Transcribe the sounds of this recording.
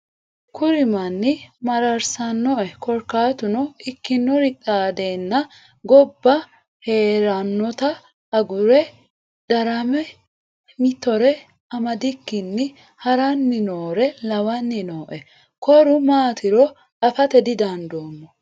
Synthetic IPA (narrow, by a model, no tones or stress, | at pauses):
kʊɾɪmɐnːɪmɐɾɐɾsɐnːɔʔɛkʰɔɾkaːt̪ʊnɔɪkːɪnːɔɾɪt̪ʼaːd̪e̞ːnːɐ | ɡɔbːɐ | he̞ːɾɐnːɔt̪ɐ | ɐɡʊɾɛ | d̪̥ɐɾɐmɛ | mɪt̪ːɔɾɛ | ɐmɐd̪ɪkːɪnːɪ | hɐɾɐnːɪnoːɾɛlɐwɐnːɪnoːʔɛ | kɔɾʊmaːt̪ɪɾɔ | ɐfɐt̪ɛd̪ɪd̪ɐnd̪o̞ːmːɔ